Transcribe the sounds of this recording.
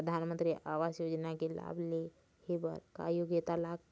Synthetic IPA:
əd̪ʱanmənt̪ɾiːʔaʋasjod͡ʒnakila̰ble | hebə̰ɾka̰joɡit̪alaɡ̚

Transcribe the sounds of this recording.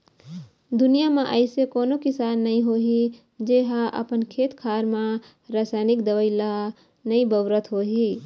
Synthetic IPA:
d̪ʊnijamẽʔəɪsekoːnokɪsaːnːəɦĩɦoːɦi | d͡ʒeːɦaʔə̰pənkʰeːt̪kʰaːɾmã | ɾaːsaːnɪkd̪əʋəɪla | nɐĩbəʋɾət̪ɦoːɦiː

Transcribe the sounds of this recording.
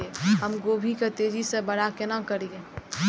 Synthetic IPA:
eɦəmɡoːbʱiket̪eːd͡ʒisebəɽakenakəɾie

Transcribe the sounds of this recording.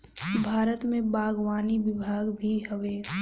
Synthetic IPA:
kbʱaːɾət̪mẽbaːɡwaːniʋɪbʱaːɡbʱiɦəʋeː

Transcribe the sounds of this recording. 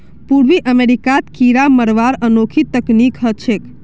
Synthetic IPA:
puɽʋiʔəmeɾikat̪kiɾaməɾʋaɾənokʰit̪əknikɦət͡ʃʰek

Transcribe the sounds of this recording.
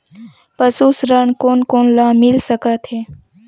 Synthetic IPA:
pəsuːsɾənkoːnkoːnlãmɪlsəkat̪ʰɦeː

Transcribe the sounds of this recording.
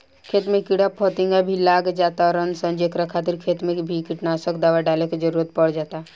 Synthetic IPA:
kʰeːt̪mẽkɪɽapʰɔt̪ɪ̃ŋɡabʱilaːɡd͡ʒaːt̪aɔɾənsə̃nd͡ʒekɾakʰaːt̪iɾkʰeːt̪mẽkbʱikɪʈnaːsəkd̪aːʋaɖaːleked͡ʒəɾuːɾət̪̚pəɽd͡ʒaːt̪a

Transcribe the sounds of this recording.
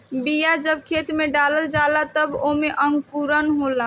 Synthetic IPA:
bijad͡ʒəb̚kʰet̪mẽɖaləld͡ʒalat̪əbomeʔəŋɡkuɾənɦola

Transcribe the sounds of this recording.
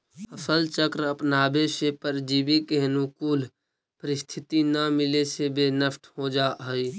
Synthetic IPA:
ɐsəlt͡ʃəkɾɐpnaːbeʃepəɾd͡ʒiːbikeɦnukuːl | pəɾɪst̪ʰɪt̪inamɪlesebeːnəfʈʰhod͡ʒaːɦəiː

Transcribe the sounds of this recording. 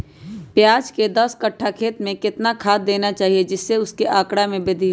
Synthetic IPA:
pjaːd͡ʒked̪ɐskɐʈʰːakʰeːt̪mẽkɪt̪nakʰaːt̪̚d̪eːnat͡ʃaːɦied͡ʒɪsːeʊskeʔaːkɽamẽbed̪ʱi

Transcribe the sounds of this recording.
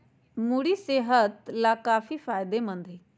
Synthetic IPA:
muɽiseːɦət̪lakaːfifaːjd̪emə̃nd̪ʱi

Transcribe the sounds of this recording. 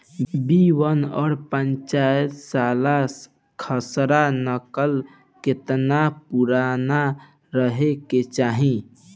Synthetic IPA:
biwənɔ̰ɾpənt͡ʃajət̪sala | kʰəsɾanəkəl | ket̪napuɾana | ɾəɦeket͡ʃaɦĩ

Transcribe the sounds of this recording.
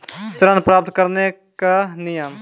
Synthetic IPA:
st̪ɾənpɾaːp̚t̪kəɾne | kanɪjəm

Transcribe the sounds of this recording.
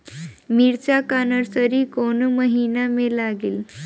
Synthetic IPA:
miɾt͡ɕakanəɾsəɾiːkonməɦinamelaɡiːl

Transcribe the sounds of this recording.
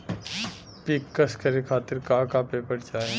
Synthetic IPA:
pikːɐskɐɾekʰaːt̪ɪɾkaːkaːpeːpəɾt͡ʃaːẽ

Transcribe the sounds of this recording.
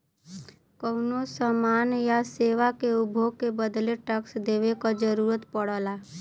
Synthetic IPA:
kənosəmaːnjaseːʋakeubʱoɡ̚kebəd̪leʈəksd̪eːwekad͡ʒəɾuːɾət̪pəɽəːla

